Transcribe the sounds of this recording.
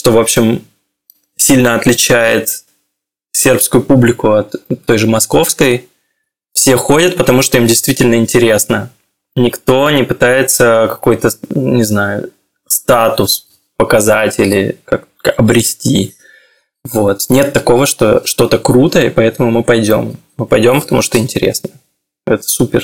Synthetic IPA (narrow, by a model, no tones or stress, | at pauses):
ʂt̪o̞vo̞pɕːɪm | sʲilʲnəɐt̪lʲɪt͡ɕæjɪt̪ | sʲe̞rpskʊjʊpublʲɪkʊɐt̪ːo̞jʐɨmɐsko̞fskəj | fsʲe̞xo̞dʲət̪̚pət̪ɐmuʂt̪o̞imdʲɪjst̪vʲitʲɪlʲnəɪnʲtʲɪɾʲe̞snə | nʲɪkt̪o̞nʲɪpɨt̪ajɪt̪səkɐ̥ko̞jt̪ənʲɪznajʊ̰ | st̪at̪ʊs | pəkɐzatʲilʲɪ̰kak̚ | aɐbɾʲɪsʲtʲi | vo̞t̪nʲe̞t̪ːɐko̞vəʂt̪o̞̰ʂt̪o̞t̪əkɾut̪əipɐɛt̪əmʊmɨpɐjdʲo̞̰mː | ɨpɐjdʲo̞mpə̥t̪ɐmuʂt̪o̞ɪnʲtʲɪɾʲḛsnə | ɛt̪ə̥supʲɪ̰r